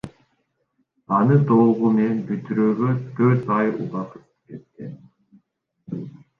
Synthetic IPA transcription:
ɑnɯd̪o̞lˠʁumenbyt̪yɾøːɡøt̪ʰøɾt̪ɑjṵlˠɑt̪ɯ̥pket̪ːɪ

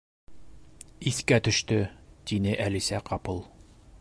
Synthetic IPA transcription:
iθkæt̪ɵ̆ʃt̪ɵt̪inɘʔælisæqʰɑpɤlˠ

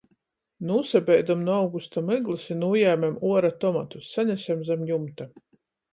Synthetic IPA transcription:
nuːsabʲɛjd̪amnuawɡust̪amɨɡlˠɨsinuːjæːmʲɛmuɔɾat̪ɔmat̪usːaɲʲæsʲamzamjumt̪a

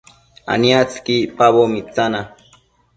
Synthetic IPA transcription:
a̰niat͡skipaβomit͡sana

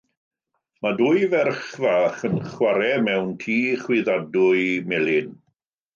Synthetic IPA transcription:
maduːjvɛrχvaːχənχwaɾɛmɛwntʰiːχwɪðadʊɨmɛlɪn

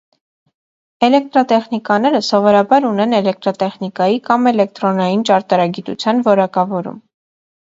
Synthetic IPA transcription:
ɛlɛk̚t̪ɾɑt̪ɛχnikɑnɛɾəsɔvɔɾɑbɑɾunɛnɛlɛk̚t̪ɾɑt̪ɛχnikɑjikɑmɛlɛk̚t̪ɾɔnɑjint͡ʃɑɾt̪ɑɾɑɡit̪ṵt͡sʰjɑnvɔɾɑkɑvɔɾṵm

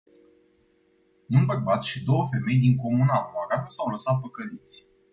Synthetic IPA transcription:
ɨnbərbat̪ʃid̪o̞wəfe̞me̞jd̪iŋko̞munamaɾamsawləsat̪̚pəkəlit̪sʲ

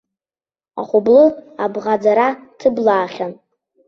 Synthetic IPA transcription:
a̰χʷʊblɨabʁad͡zaɾatʰɨblaːχʲan

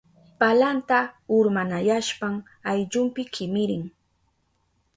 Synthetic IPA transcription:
palant̪aʊɾmanajaʃpaŋ | ajʎʊmpɪkʰɪmɪɾɪŋ

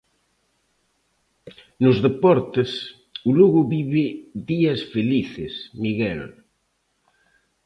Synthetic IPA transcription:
nʊzðepɔɾt̪ɪs | ʊluɣʊβiβɪðiɐsfeliθɪsmiɣɛl

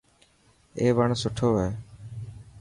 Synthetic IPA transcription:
eːʋəɳsʊʈʰoːɦeː

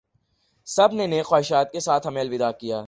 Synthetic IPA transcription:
sɐbneneːxwaːɦɪʃaːt̪̚kesaːt̪ʰɦɐmeːlʋɪd̪aːkijaː

